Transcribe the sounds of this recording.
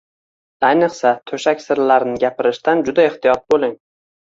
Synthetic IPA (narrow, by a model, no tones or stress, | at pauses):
ajnɨqsat̪ʰɵʃakʲsɪɾlaɾnɪɡʲapʰɪɾɪʃt̪and͡ʒʊd̪ae̞ht̪ʰɪjɒt̪̚bolˠɪŋ